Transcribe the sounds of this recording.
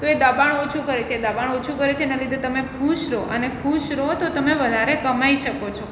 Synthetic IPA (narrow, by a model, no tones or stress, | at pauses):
t̪oed̪əbaɳot͡ʃʰukəɾet͡ʃʰeːd̪əbaɳ̃ot͡ʃʰukəɾet͡ʃʰenalid̪ʱet̪əmekʰuʃɾoʔənekʰuʃɾot̪ot̪əmeʋəd̪ʱaɾekəmaiʃəkot͡ʃʰo